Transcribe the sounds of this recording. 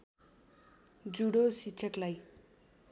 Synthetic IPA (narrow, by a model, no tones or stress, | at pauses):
d͡zuɽosikt͡sʰʌklaj